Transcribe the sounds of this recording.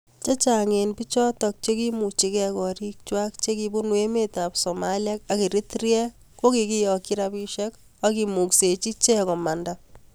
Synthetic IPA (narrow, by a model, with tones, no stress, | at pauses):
t͡ʃe˦t͡ʃaŋe˨npi˦t͡ʃɔ˦tɔk̚t͡ʃe˦ki˦mu˨t͡ʃi˨kɛ˦kɔ˨ɾi˦k̚t͡ʃwa˦k̚t͡ʃe˦kibu˦nwe˦me˦tapso˨malja˦ka˨ki˨ɾi˦trjɛ˦ | ko˦ki˨ki˦jɔkiɾapi˦ʃɛ˦k | aki˨mu˨kse˨t͡ʃi˦t͡ʃe˦kɔ˨ma˨nda